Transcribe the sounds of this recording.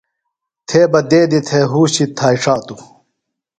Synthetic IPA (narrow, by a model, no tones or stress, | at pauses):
t̪ʰeːbɐd̪eːd̪it̪ʰeːɦuːɕit̪ʰaːiʂaːt̪u